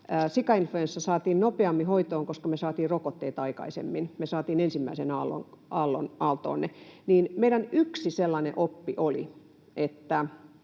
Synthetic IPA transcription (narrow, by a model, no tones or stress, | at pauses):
əːsikɑinfluensːæsɑːt̪iːnnopeɑmːihoit̪oːŋkoskɑmesɑːt̪iːrrokot̪ːeːt̪ɑikɑ̰isḛmːinmesɑːt̪iːnensimːæisenɑlːo̰nʔɑlːo̰nɑlt̪o̰ːnːeniːnmeidænyksiselːɑnḛʔopːiʔolḭ | ʔet̪ːæ